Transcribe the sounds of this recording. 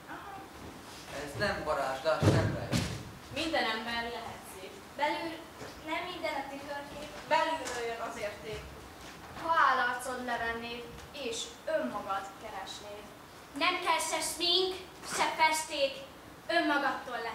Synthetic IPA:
ɒɦɒ | ɛznɛmbɒɾa̰ːt̪d̪ɒʃnɛmɾɛ̰j | mind̪ɛnɛmbɛrlɛɦɛt̪seːk | bɛlyl | nɛmːind̪ɛnɒt̪yt̪ørkeːkbɛlyløjønɒzeːrt̪eːk | hɒaːlɒlt̪so̞d̪lɛvɛnːeː | eːʃ | ømːɒɡɒt̪kɛɾɛʃneːl | nɛmkɛʃɛʃneːŋk | ʃɛfɛʃt̪eːk | ømːɒɡɒt̪ːoːlːɛ

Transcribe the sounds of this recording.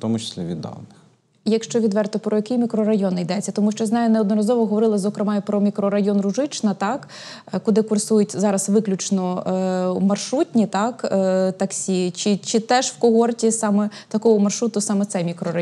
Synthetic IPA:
t̪ɔmʊt͡ʃɪ̥sʲlʲiʋʲḭd̪ːɑ̰wnɪx | ijɐkʃt͡ʃɔʋʲid̪ʋɛrt̪ɪpɾɔjɐkɪjmʲikɾɔɾɐjɔnejd̪ɛt͡sʲːɐt̪ɔmuʃt͡ʃɔjznɑjʊnɛɔd̪nɔɾɐzɔʋɔɦɔʋɔɾɪlˠɐzɔkɾemɑjʊpɾɔmʲikɾɔɾɐjɔnrʊʒɪt͡ʃnɐt̪ɑk | kʊd̪ɪkʊrsujʊtʲzɑɾɐsʋɪklʲʊt͡ʃnɔ | mɐrʃɾutʲnʲit̪ɑkt̪ɐksʲit͡ʃɪt͡ʃɪt̪ɛʒwkɔɦɔrtʲisɑmɛt̪ɐkɔɦɔmɐrʃɾut̪ʊsɑmɛt̪sɛmʲikɾɔɾɐ

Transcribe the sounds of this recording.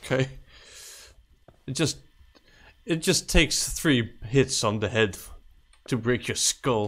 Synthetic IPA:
kʰeɪ | ɨt̚d̥ʒ̥ʌst | ɨt̚d̥ʒ̥ʌstʰeɪksθɹiɦɪtsn̩ðɨɦɛd | tʰɨbɹeɪkʰjə˞skʌlˠ

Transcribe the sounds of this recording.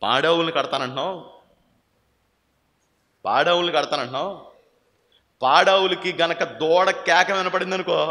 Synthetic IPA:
pa̰ːɽɐːwulɐnikɐɽɐt̪aːnɐɳʈnaːw | pa̰ːɽɐːwulnikɐɽɐt̪aːnɐɳʈnaːw | paːɽɐːwulɐkiɡɐnɐkɐd̪ɔːɽɐkɛːkɐmɐnɐpɐɽind̪ɐnukoː

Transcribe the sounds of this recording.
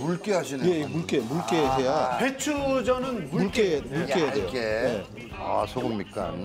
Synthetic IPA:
muɭk͈eɦaɕʰinje̞muɭk͈emuɭk͈eɦe̞jahet͡ɕʰud͡ʑʌnɯnmumuɭkemuɭk͈ejadejoeje̞ | a̰sʰoɡɯmɲik͈a̰

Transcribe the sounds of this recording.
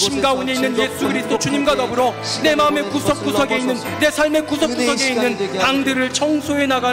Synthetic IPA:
ɕʰimɡaune̞inːɯnje̞sʰuɡɯɾisʰɯ̥dʰot͡ɕuɲimɡwanʌbɯɾʌ | ne̞maɯme̞kusʰʌp̚k͈usʰʌɡe̞inːɯnːe̞sʰaɭme̞kusʰʌpk͈usʰʌɡe̞innːɯnpaŋdɯɾɯɭt͡ɕʰʌŋsʰoenaɡa

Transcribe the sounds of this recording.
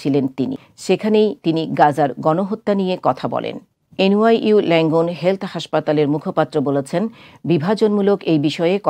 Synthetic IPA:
ilent̪inḭ | ʃekʰanejt̪iniɡad͡ʑaɾɡɔnoɦot̪ːanijekɔt̪ʰabɔ̰lḛn | enuajʔulɛŋɡonɦelt̪ʰhaʃpat̪aleɾmukʰopat̪ːɾobolet͡ɕʰenbibʱad͡ʑonmulokejbiʃɔeekɔ

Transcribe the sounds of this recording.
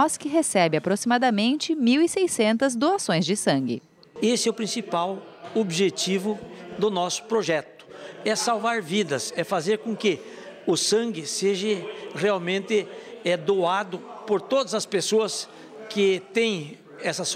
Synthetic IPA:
ɔskɪɦesɛbɪapɾosimad̪ɐmẽnt͡ʃɪmiwisejsẽnt̪ɐzd̪oasõj̃zd͡ʒɪsɐ̃ŋɡɪ̰ | esɪɛʊpɾĩsipaw | obʒet͡ʃivʊd̪ʊnɔsʊ̥pɾoʒɛt̪ʊ̥ɛsawvaɾvid̪ɐsɛfazeɾkõkɪ | ʊsɐ̃ŋɡɪseʒɐʁeawmẽnt̪ɪɛd̪oad̪ʊpoɾt̪od̪ɐzɐspesoɐs | kɪt̪ẽj̃ | ɛsɐs

